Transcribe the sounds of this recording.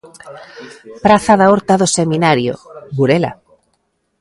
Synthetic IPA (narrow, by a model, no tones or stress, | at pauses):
pɾaθaðaɔɾt̪aðoseminaɾjo̰βuɾela̰